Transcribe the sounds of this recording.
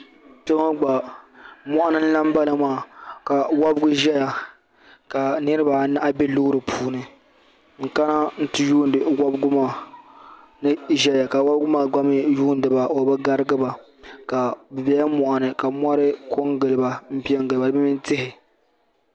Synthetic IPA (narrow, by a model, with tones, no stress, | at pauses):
pɛ˦ŋa˦ɡ͡ba˨ | mɔ˦ʔa˦nɨ˦n̩˦la˦m˦ba˦la˨maː˦˨ka˨wa˦bɡʊ˦ʒɛ˦ja˨ | ka˨nɨ˦ɾɨ˦ba˨na˦ʔa˦bɛ˦lʊ˦ɾɨ˨pʰuː˦nɨ˨ | ŋ̩˦˨ka˦na˦n̩˦tɨ˦juː˦n˨dɨ˨wa˦bɡʊ˦maː˨ | nɨ˦ʒɛ˦ja˨ka˨wa˦bɡʊ˦maː˨ɡ͡ba˦mɪ˦juː˦n˦dɨ˨ba˨o˨ba˦ɡa˦ɾɨ˦ɡɨ˦ba˨ | ka˨bɨ˨bɛ˦ja˦mɔ˨ʔa˨nɨ˨ka˨mʷ˦a˦ɾɪ˦kʰo˦ŋɡɨ˨lɨ˨ba˨m̩˦pi˦ɛ˦ŋɡɨ˨ɨ˨ba˨lba˦mɪ˦n˦tɪ˦hɪ˨